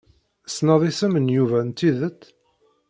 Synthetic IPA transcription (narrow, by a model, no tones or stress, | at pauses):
snɑðˤisəmənjuvænt̪ːiðət̪ː